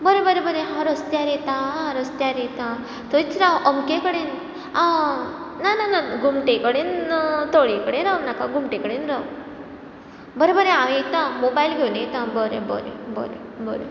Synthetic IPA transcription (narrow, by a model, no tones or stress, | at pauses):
bɐɾebɐɾebɐɾeɦaːɾɐst̪jaːɾet̪aaːɾɐst̪jaːɾejt̪a | t̪oit͡ʃɾaʔomkekɐɽen | a | naːnɐnɐɡumʈekɐɽent̪oːɽikɐɽenaʋnɐkaɡumʈekɐɽenɾu | bɐɾebɐɾeaːʋejt̪ːamobajlɡeunejt̪aboɾebo̰ɾḛbo̰ɾebo̰ɾḛ